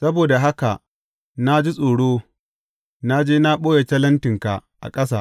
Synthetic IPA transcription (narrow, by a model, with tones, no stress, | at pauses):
sɐ˦boː˨da˨ɦa˦ka̰˨ | na˦d͡ʒi˦sʼoː˨ɽoː˦ | na˦d͡ʒeː˦na˦ɓoː˦je˨t͡ʃa˦lɐ˦ntɪ˨ŋka˨ʔa̰˨kʼɐ˦s̬aː˦˨